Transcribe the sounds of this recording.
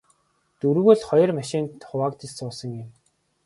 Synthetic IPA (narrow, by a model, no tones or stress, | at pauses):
t̪uɾ̆ɣɵ̆ɮχɔjɞ̆rmaʃɪ̆nt̪χʊwaːkt̪ĭʊsɞ̆ŋjɪ̆m